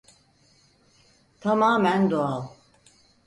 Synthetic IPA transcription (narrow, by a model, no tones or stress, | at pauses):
t̪ʰamaːmænd̪oalˠ